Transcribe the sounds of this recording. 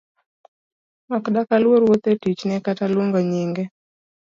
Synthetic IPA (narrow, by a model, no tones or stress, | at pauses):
makdakalwoɾwot̪etit͡ʃnɛkatalwoŋɡoɲiŋɡe